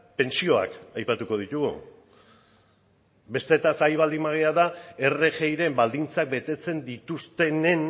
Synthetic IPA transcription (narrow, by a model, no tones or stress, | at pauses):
pe̞nsio̞a̰kajpat̪uko̞ðit̪uɣṵ | be̞st̪e̞t̪asajβ̞ald̪imaɣ̞eaðae̞re̞xe̞jɾembald̪int͡sak̚be̞t̪e̞t͡se̞nd̪it̪ust̪e̞ne̞n